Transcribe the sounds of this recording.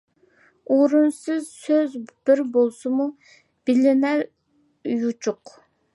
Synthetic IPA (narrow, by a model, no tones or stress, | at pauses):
oɾunsɨzsøzb̥ɪɾbolˠsɨmu | b̥ɪlɪnæɾ | jut͡ʃʰuq